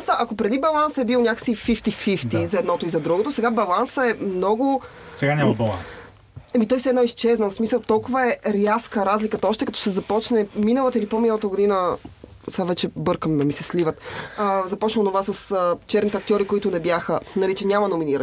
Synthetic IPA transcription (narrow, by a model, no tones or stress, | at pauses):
səʔakopɾɛd̪ibɐlˠansəɛbilˠnʲjakə̥ksifift̪ifift̪izɐɛd̪nɔt̪oizɐd̪ɾuɡot̪osɛɡabɐlˠansəɛmnɔɡʊ | sɛɡanʲambɐlˠa̰ns | ɛmit̪ɔjsɛd̪nɔist͡ʃɛznosmisəlˠt̪ɔlˠkʊvəɛɾjaskəɾazlikət̪ɔʃt̪ɛkɐt̪ɔ̥sɛzɐpɔt͡ʃnɛminəlˠət̪əilipominəlˠət̪əɡod̪inə | savɛt͡ʃɛbɤɾkəmd̪ɐmisɛslivət̪ːzɐpɔt͡ʃnəlˠnovasəsət͡ʃɛɾnit̪ɛɐk̚t̪ʲjɔɾikoit̪ʊnɛbjaxənɐlit͡ʃɛnʲamɐnominiɾən